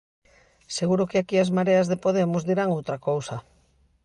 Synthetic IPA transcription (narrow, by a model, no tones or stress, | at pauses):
seɣuɾokɪakiazmaɾeazðepoð̞emʊzðiɾaŋowt̪ɾakowsa